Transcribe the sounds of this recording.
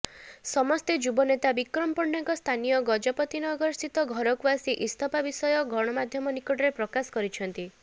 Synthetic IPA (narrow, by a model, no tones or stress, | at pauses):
sɔmɔst̪ed͡ʒubɔnet̪abikɾɔmpɔɳɖaŋkɔst̪ʰanijɔɡɔd͡ʒɔpɔt̪inɔɡɔɾsit̪ɔɡʱɔɾɔkwasiʔist̪ʰɔpabisɔjɔɡʱɔɽ̃ɔmad̪ʱjɔmɔnikɔʈɔɾepɾɔkasɔ̥kɔɾit͡ʃʰɔnt̪i